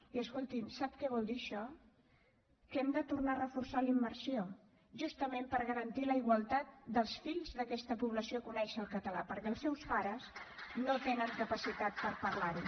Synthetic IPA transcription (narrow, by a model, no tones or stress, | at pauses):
iəskolˠt̪imsap̚kɛβɔlˠd̪iəʃɔ | kəɛmd̪ət̪urnarəfuɾsalimːərsio | ʒust̪əmempəɾɣəɾənt̪iləiɣwəlˠt̪at̪̚d̪əlˠsfiʎzðəkɛst̪əpuβləsiokunɛʃəlˠkət̪əlapəɾkɛlˠsːɛwspaɾəznot̪enəŋkəpəsit̪at̪̚pəɾpərlaɾi